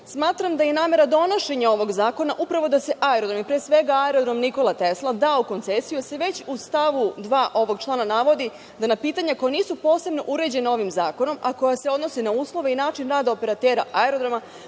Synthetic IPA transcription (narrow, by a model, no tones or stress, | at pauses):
smaːt̪ɾamd̪ajenaːme̞ɾad̪o̞no̞ʃe̞ɲao̞ʋo̞ɡzaːko̞naʔupɾaʋo̞d̪ase̞ʔaeɾod̪ɾomipɾesʋe̞ɡaaeɾo̞d̪ɾomniko̞lˠat̪eslˠad̪auko̞nt̪sesijuse̞ʋe̞t͡ɕust̪aʋud̪ʋaːʔo̞ʋo̞ɡt͡ʃlˠaːnanaʋo̞d̪i | d̪anapiːt̪aɲako̞janiːsupo̞ːse̞bno̞ʔuɾe̞d͡ʑe̞nao̞ʋimzaːko̞no̞mako̞jase̞o̞d̪no̞sinauːslˠo̞ʋeinaːt͡ʃinɾaːd̪aope̞ɾat̪eːɾaʔaeɾod̪ɾoma